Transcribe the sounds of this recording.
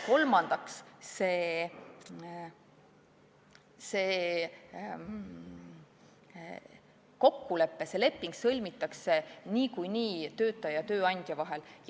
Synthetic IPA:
ko̞lmɑnd̪̥ɑksse̞ː | seː | ko̞kːule̞pːe̞se̞le̞pːˑiŋɡ̥sɤlʲmit̪ːˑɑkse̞niːkujniːt̪ø̞ːt̪ːˑɑjɑt̪øːɑnʲd̪̥ʲjɑvɑɦe̞lj

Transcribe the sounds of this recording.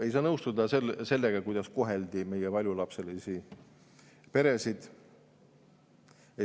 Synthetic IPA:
e̞jsɑːnɤwst̪ud̪ɑselse̞lːeɡ̥ɑkujd̪̥ɑskoɦeld̪ime̞jɛvɑlʲjulɑpse̞lisi | pe̞ɾe̞sid̪̥ | e

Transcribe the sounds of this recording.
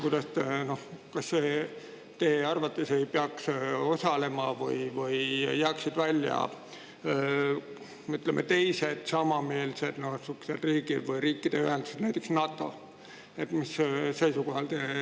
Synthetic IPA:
kujd̪̥ɑst̪eno̞hkɑsːe | t̪e̞ːɑrvɑt̪ːˑesejpeɑkso̞sɑle̞mɑvɯ̰jvɯjjæːksid̪̥vælʲːjɑ̰ | yt̪ˑlemʔḛt̪e̞jse̞d̪̥sɑmɑme̞ːlse̞d̪̥no̞hsykːsed̪riːɡ̥id̪̥vɯjɾiːkːˑid̪̥e̞yɦend̪̥used̪næjt̪ːˑeksnɑt̪ːˑo̞ | e̞t̪missejsuko̞hɑlt̪eː

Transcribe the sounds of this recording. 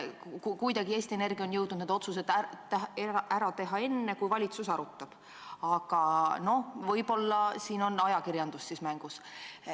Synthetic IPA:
kukujd̪ɑɡ̥ie̞ːst̪iene̞rɡ̥io̞njɤwd̪nud̪ne̥o̞t̪sus̬e̞d̪æt̪eæɾɑt̪e̞ɦɑe̞nːe̞kujvɑlʲit̪susɑɾut̪ːˑɑb̥ | ɑɡ̥ɑno̞hvɤ̞jb̥o̞lːɑsiːno̞nɑjɑkiɾjɑnd̪usːismæŋɡ̥us

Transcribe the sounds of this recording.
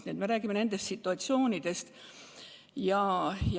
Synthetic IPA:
net̪me̞ɾæːɡimene̞nd̪̥e̞st̪sit̪ːuɑt̪sio̞ːnid̪̥e̞st̪ | jɑj

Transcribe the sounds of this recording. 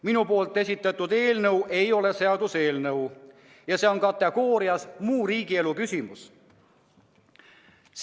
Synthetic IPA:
minupo̞ːlt̪ːˑe̞sʲit̪ːˑɑt̪ːud̪̥e̞ːlnɤwʔe̞jo̞le̞se̞ɑd̪use̞ːlnɤw | jɑse̞o̞nkɑt̪ːˑe̞ɡ̥o̞ːɾiɑsmuːɾiːɡ̥ie̞lukysʲimus | s

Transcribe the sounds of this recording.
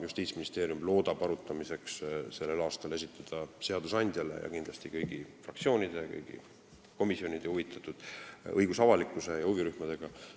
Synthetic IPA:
just̪iːt̪sminist̪e̞ːɾjumlo̞ːd̪̥ɑb̥ɑɾut̪ːˑɑmise̞ksse̞lːe̞lɑːst̪ɑle̞sit̪ːˑɑd̪̥ɑse̞ɑd̪̥usɑnʲd̪̥ʲjɑle̞̰jɑ̰kind̪lɑst̪ikɤjɡ̥ifɾrɑkt̪sio̞ːnʲid̪̥e̞kɤ̰jɡ̥ḭ | ko̞misjonʲid̪̥euvit̪ːˑɑt̪ːud̪̥ɤjɡ̥usɑvɑlikːˑuse̞jɑhuviɾyhmɑd̪̥e̞ɡ̥ɑ

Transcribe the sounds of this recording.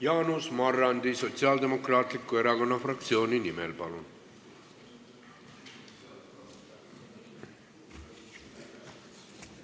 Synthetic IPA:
jaːnusmarːand̪isot͡sʰjald̪emokɾaːt̪likːueɾaɡonafɾakt̪sijoːninimelpɑlun

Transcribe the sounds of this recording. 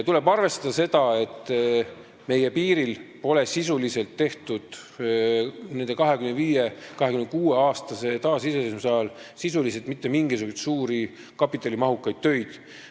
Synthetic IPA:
t̪ule̞bɑrve̞st̪ɑd̪̥ɑse̞d̪ɑe̞t̪ːˑ | me̞jepiːɾilpo̞le̞sisulise̞lt̪ːe̞ht̪ud̪̥ | ne̞nd̪e̞kɑɦe̞kymend̪viːjekɑɦe̞kymnd̪kuːeɑːst̪ɑse̞t̪ɑːsiseesmsɑɑlsisulis̬et̪mit̪ːe̞miŋɡ̥isukujt̪suːɾi | kɑpːˑit̪ːˑɑlimɑɦukːˑɑjd̪̥̚t̪ø̞jd̪̥

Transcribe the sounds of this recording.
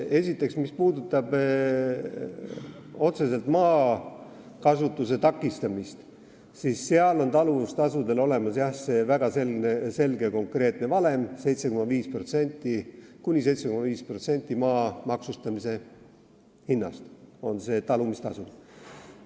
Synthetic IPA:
e̞sit̪ːˑe̞ksmispuːd̪ut̪ːˑɑb̥ | o̞t̪se̞se̞lt̪mɑː | kɑsut̪ːˑuse̞t̪ɑkːˑist̪ɑmist̪ | sisːeɑlo̞nt̪ɑlust̪ɑsud̪e̞lo̞le̞mɑsjɑhse̞væɡ̥ɑse̞lnese̞lɡ̥eko̞ŋkre̞ːt̪ˑne̞vɑle̞mse̞jt̪se̞kumɑviːspro̞t̪se̞nʲt̪ːˑikunʲise̞jt̪se̞kumɑviːspro̞t̪se̞nʲt̪ːˑimɑːmɑksust̪ɑmise̞ | hinːɑ̰st̪o̞nse̞ːt̪ɑlumist̪ɑsu

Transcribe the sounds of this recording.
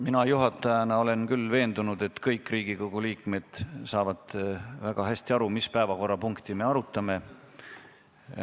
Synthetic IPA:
minɑjuɦɑt̪ːˑɑjɑnɑo̞le̞nkylːve̞ːnd̪unud̪̥e̞t̪ːkɤjkːˑriːɡ̥iko̞ɡ̥uliːkˑme̞d̪̥sɑːvɑd̪̥væɡ̥ɑɦæst̪iɑɾumispæevɑko̞rːɑpuŋkt̪ime̞ɑɾut̪ːˑɑme̞

